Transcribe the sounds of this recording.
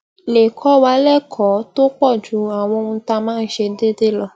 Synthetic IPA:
le˨kʰɔ˨˦wa˧˦lɛ˦˨kʰɔ˨˦to˦k͡pɔ˦˨d͡ʒu˨˦a˨w̃ɔ̃˧ũ˧˦ta˧mãː˦˧n̩˦ʃe˧de˦de˦lɔ˧

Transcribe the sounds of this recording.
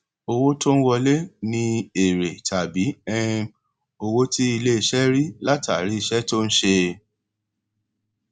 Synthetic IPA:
o˧wo˦to˦n̩˦wɔ˧le˦nĩ˧e˨ɾe˨tʰa˨bi˨˦ɛ˦ | o˧wo˦ti˦i˧le˦i˧ʃɛ˦ɾi˦la˦ta˨ɾi˨˦˧ʃɛ˦to˦n̩˦ʃe˧

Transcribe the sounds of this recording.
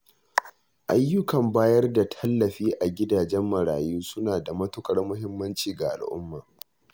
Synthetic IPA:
ʔa˦jːʊ˦kɐ˨mbaː˦jɐ˦rda˨tʰɐ˦lːɐ˨ɸiː˦ʔa˨ɡʲɪ˦daː˨d͡ʒɛ˦mːɐ˨ɾa̰ː˨juː˦sʊ˦naː˨da˨mɐ˦tʊ˦kʼɐ˨rmʊ˦ɦɪ˦mːɐ˦nt͡ʃiː˨ɡa˨ʔa̰˨lʔʊ̰˦mːaː˨

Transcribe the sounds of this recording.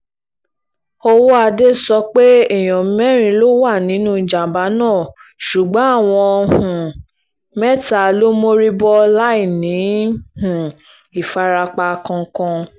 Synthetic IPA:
o˧wo˦a˧de˦sɔ˧k͡pe˦ɛ˦˨j̃ɔ̃˨˦mɛ˦˨ɾ̃ĩ˧˦lo˦wa˦˨nĩ˨˦nũ˦˨d͡ʒa˨ba˨˦nãː˦˨ | ʃu˨ɡ͡bɔ̃˨˦a˦˨w̃ɔ̃˧hũ˨ | mɛ˦˨ta˨lo˦mo˦ɾi˦bɔ˦la˦i˦˨nĩ˨˦hũ˨ | i˨fa˧ɾa˧k͡pa˧kɔ̃˧˦kɔ̃˧

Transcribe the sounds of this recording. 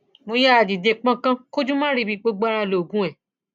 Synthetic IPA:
mo˧ja˦a˨di˨de˧k͡pã˦kã˦ko˦d͡ʒũ˦mãː˦ɾi˧bi˧k͡po˧ɡ͡bɾ̃ã˧˨lo˨ɡũ˦ɛ˨

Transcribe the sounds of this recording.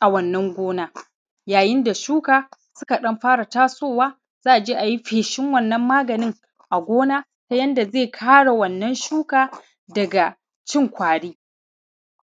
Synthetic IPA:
ʔa˨wɐ˨nːɐ˦ŋɡʷoː˦naː˦ | jaː˨jɪ˦nda˨ʃuː˦kaː˨sʊ˦ka˨ɗɐ˦mɸaː˦ɽa˨taː˦soː˦˨waː˦ | z̥aː˦ʔa˨d͡ʒeː˦ʔa˨ji˦ɸeː˨ʃɪ˦ŋwɐ˦˨nːɐ˦mːaː˦ɡɐ˨nɪ˦ŋ | ʔa˨ɡʷoː˦naː˦ | ta˦jɐ˦nda˨zeː˦˨kʰaː˦ɽa˨wɐ˨nːɐ˦nʃuː˦kaː˨ | dɐ˨ɡa˨ | t͡ʃɪ˦ŋkʷaː˨ɽiː˦

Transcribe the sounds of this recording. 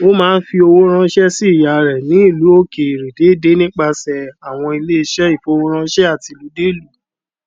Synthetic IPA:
o˦mãː˦˧n̩˦fi˧o˧wo˦ɾ̃ã˧˦ʃɛ˦si˦˨ja˨ɾɛ˨nĩ˨˦i˦˨lu˨˦o˦ke˨i˨ɾe˨de˨˦˨de˨˦nĩ˦k͡pa˧sɛ˨a˨w̃ɔ̃˧i˧le˦i˧ʃɛ˦i˦˨fo˨˧˦wo˦ɾ̃ã˧˦ʃɛ˦a˦˨ti˧lu˨˦de˦˨lu˨˦˨

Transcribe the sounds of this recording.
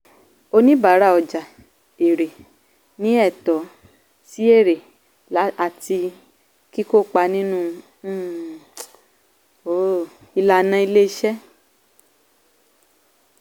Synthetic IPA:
o˧nĩ˦ba˨˦ɾa˦˨ɔ˨d͡ʒa˨ | e˨ɾe˨ | nĩ˨˦ɛ˦˨tɔ˨˦ | si˨˦e˦˨ɾe˨ | a˦a˨ti˧ | ki˦ko˦˨k͡pa˧nĩ˦nũ˦ | o˨˦˨ | i˧la˧nã˧˦i˧le˦i˧˦ʃɛ˦

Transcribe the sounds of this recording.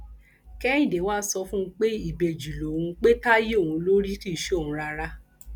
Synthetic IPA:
kɛ˦ĩ˦˨de˨˦waː˦sɔ˧fũ˦k͡pe˦i˦˨be˨d͡ʒi˨lo˨wũ˧k͡pe˦ta˦je˦o˦˨wũ˨˧˦lo˦ɾi˦ti˦˨ʃe˦o˦˨ũ˧˦ɾa˧ɾa˦˧

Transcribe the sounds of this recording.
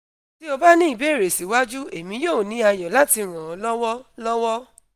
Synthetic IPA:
ti˦ɔ˧ba˦nĩ˦i˦˨be˨˦˨ɾe˨si˨˦wa˦d͡ʒu˦e˨mĩ˧˦joː˦˨nĩ˨˦a˧jɔ˨la˦ti˧ɾ̃ã˨ɔ˨˦lɔ˦wɔ˦lɔ˦wɔ˦

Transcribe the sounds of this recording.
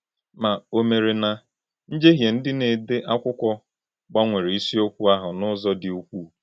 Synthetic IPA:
ma˨o˨me˨ɾe˨na˨ | n̩˦d͡ʒe˦ɦje˨n̩˦dɪ˦ne˨de˦ʔa˦kʷʊ˦kʷɔ˦ | ɡ͡ba˦ŋʷe˨ɾe˨i˦si˦o˦kʷu˦a˦ɦʊ˨nʊ˦zɔ˦dɪ˨u˦kʷu˦˨

